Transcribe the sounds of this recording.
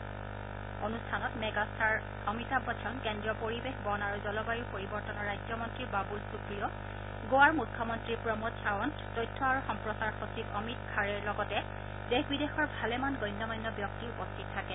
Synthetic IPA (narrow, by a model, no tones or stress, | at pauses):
onustʰanɔtmɛɡastʰaɹ | ɔmitabɔtʰɔnkɛndɹɔpoɹibexbɔnaɹuzɔlɔbajiɹpoɹibɔɹtɔnɔɹajd͡ʒɔmɔntɹiɹbabulsukɹijɔ | ɡowaɹmukʰːɔmɔntɹiɹpɹɔmɔtt͡ʃʰawɔn | tɔjtʰːɔaɹuxɔmpɹɔsaɹxosibɔmitkʰaɹɛɹlɔɡɔtɛ | dexbidexɔɹbʱalɛmanɡɔjnːɔmɔjnːɔbjɔk̚tiɹpɔtʰːik̚tʰakɛ